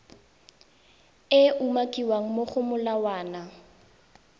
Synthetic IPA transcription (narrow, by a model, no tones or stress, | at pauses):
ɪʔumakʼiwaŋ̩moχʊmʊlawaːna